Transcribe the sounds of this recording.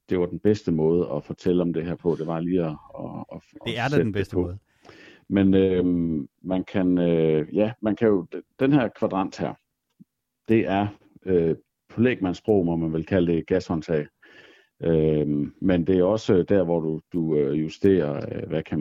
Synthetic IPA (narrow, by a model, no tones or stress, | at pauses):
d̥e̝ʋɑ̈d̥en̩b̥esd̥əmɔ̽ːð̞̩ˠəɒ̽fɒt͡sʰel̰əɒ̽md̥e̝ɦæɐ̰pʰɒ̽d̥e̝ʋɑ̈liːɒ | edepʰɔ | menø | mænkʰænøjæmænkʰæjo̝̥d̥enɦæɐ̰kʰʋæd̥ʁɑ̈n̰d̥hæɐ̰ | d̥e̝ʔæɐ | ø | pʰɒ̽lḛːɡ̥̚mænsb̥ʁɔ̰ʊ̰mɒ̽mænʋe̝lkʰæləd̥e̝ɡ̥æshɒ̽nt͡sʰɛ̰ɪ | ømmend̥e̝æɒ̽səd̥æɐ̰ʋɒd̥ud̥uøjusd̥e̝̰ːɐøʋækʰæn